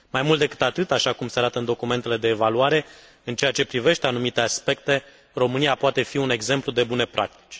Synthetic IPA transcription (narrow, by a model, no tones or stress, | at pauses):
majmult̪d̪e̞kɨ̥t̪at̪ɨt̪aʃakumseaɾat̪əɨnd̪o̞kume̞nt̪e̞le̞d̪e̞ːvaluaɾe̞ | ɨnt͡ʃe̞jat͡ʃe̞pɾive̞ʃt̪e̞anumit̪e̞aspe̞k̚t̪e̞ | ro̞mɨniapoat̪e̞fiune̞ɡze̞mplud̪e̞bune̞pɾʔa̰k̚t̪i̥t͡ʃʲ